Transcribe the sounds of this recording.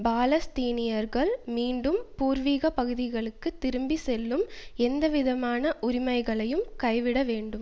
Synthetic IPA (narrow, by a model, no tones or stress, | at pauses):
baːlɐst̪iːnɪjɐɾɣɐɭmiːɳɖɯmpuːɾʋiːɣɐpɐɣɯðɪɣɐɭɯkːɯt̪ːɪɾɯmbisɛlːɯmɛnd̪ɐʋɪðɐmaːnɐʔʊɾɪmɐɪɣɐɭɐjɯmkɐɪʋɪɽɐʋeːɳɖɯm